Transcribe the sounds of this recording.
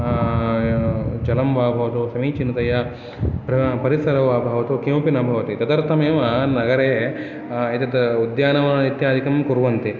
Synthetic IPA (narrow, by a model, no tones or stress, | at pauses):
d͡ʒɐlɐmʋaːbʱɐʋɐt̪usɐmiːt͡ʃinːɐt̪ɐjɐ | pɾɐpɐɾisɐɾɐʋaːbʱɐʋɐt̪ukimpinɐbʱɐʋɐt̪it̪ɐd̪ɐɾt̪ʰɐmeːʋɐnɐɡɐɾeː | it̪ɐd̪ɐud̪jaːnɐʋɐit̪jaːd̪ʱikɐmkuɾʋɐnt̪i